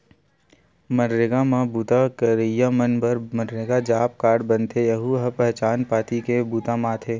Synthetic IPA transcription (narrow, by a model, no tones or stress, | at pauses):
məɾːeɡamãbuːt̪akəɾijamənbəɾməɾːeɡad͡ʒaːp̚kaːɖbənt̪ʰejəɦuɦpɛɦt͡ʃaːnpaːt̪ikebuːt̪amãːt̪ʰeː